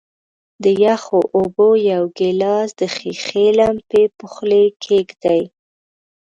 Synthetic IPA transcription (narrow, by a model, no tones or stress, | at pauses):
d̪əjaxoʔobojawɡelɑsd̪əxixelampepʊxlekʰeɡd̪aj